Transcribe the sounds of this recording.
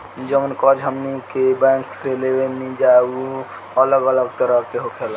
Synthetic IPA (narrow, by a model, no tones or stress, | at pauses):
d͡ʒəmənkɔd͡ʒɦəmnikebɛ̃ŋkselebenid͡ʒaeu | ələɡələɡ̚t̪əɾəɦkeɦokʰel